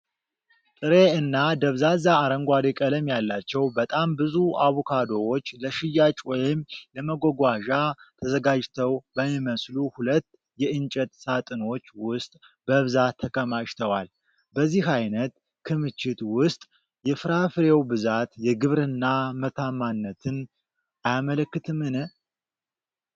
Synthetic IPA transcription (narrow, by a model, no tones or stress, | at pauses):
t̪ʼɨɾe̞ɨnːad̪əβzazaːɾəŋɡʷad̪ekʼələmjalːat͡ʃːɛwbət̪ʼambɨzua̰βokʰad̪o̞ɾo̞t͡ʃːləʃɪjːat͡ʃʼwɔjɪmləməɡoɡʷaʒat̪ʰəzəɡad͡ʒt̪ʰəwbəmːiməsluhulət̪ː | jɛʔɨnt͡ʃʼət̪sat̪ʼɨno̞t͡ʃːwʊst̪ʼ | bəβɨzat̪ʰːəkʼəmaʃt̪ʰəwal | bəzːihajnət̪ | kʰɨmɨt͡ʃːɪt̪wʊst̪ʼ | jɛfɨɾafɨɾe̞wbɨzat̪jɛɡɨβɾɨnːamət̪ʰamːanːət̪ʰɨn | ʔajamələkːɨt̪ʰɨmːɨnɨ